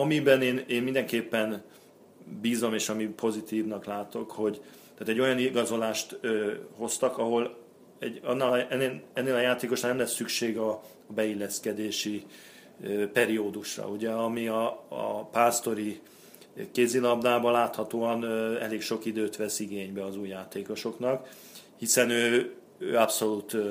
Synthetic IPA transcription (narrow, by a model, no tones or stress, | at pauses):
ɒmibɛneːneːnmind̪ɛŋkeːpːɛn | biːzo̞meːʃɒmipʰo̞zit̪iːvnɒklaːt̪o̞kho̞ɟ | t̪aːt̪ɛɟːo̞jɒniɡɒzo̞laːʃt̪ːho̞st̪ɒkɒɦo̞l | ɛɟɒnːaːlɒɛnːelɛnːeːlɒjaːt̪eːko̞ʃnanɛmlɛsːykʃeːɡɒ | bɛilːɛskɛd̪eːʃi | pɛɾioːd̪uʃrɒ̰uɟɛɒmiɒ̰paːst̪o̞ɾi | keːzilɒb̚d̪aːbɒlaːt̪hɒt̪oːɒnɛ̰leːkʃo̞kid̪øːt̪ʋɛsiɡeːɲbɛɒzuːjːaːt̪eːko̞ʃo̞knɒk | hisɛnøː | øːɒpso̞lut̪